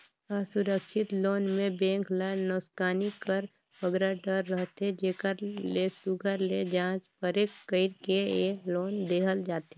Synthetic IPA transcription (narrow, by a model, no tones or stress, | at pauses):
əsʊɾəkʃɪt̪loːnmẽbɛ̃ːŋklənːɔːskaːnikəɾ | pəɡɾaɖəɾːəɦt̪ed͡ʒeːkəɾlesʊɡʱəɾled͡ʒãːt͡ʃpəɾeːkːəɪɾkeloːnd̪eːkʰəld͡ʒaːt̪eː